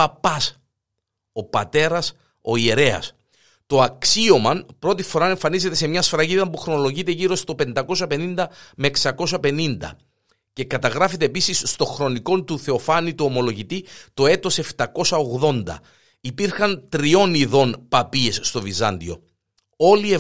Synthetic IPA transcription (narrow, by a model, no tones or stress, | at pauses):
pɐpːɐs | o̞pɐt̪e̞ɾɐs | o̞ieɾe̞ɐ̰s | t̪o̞ɐksio̞mɐnpɾo̞t̪ifo̞ɾɐe̞ɱfɐnize̞t̪e̞se̞mɲɐsfɾɐʝiðɐmpuxɾono̞lo̞ʝit̪e̞ʝiɾo̞st̪o̞pe̞nd̪ɐko̞s̬ɐpe̞nind̪ɐme̞ːksɐko̞sɐpe̞nind̪ɐ̰ | ce̞kɐt̪ɐɣɾɐfe̞t̪̬e̞ːpisisːt̪o̞xɾo̞niko̞nt̪uθe̞o̞fɐnit̪uomo̞lo̞ʝit̪it̪o̞e̞t̪o̞se̞ft̪ɐko̞sɐo̞ɣðo̞nd̪ɐ̰ | ipiɾxɐnt̪ɾio̞niðo̞npɐpie̞sːt̪o̞vizɐ̰nd̪io̞̰ | o̞lie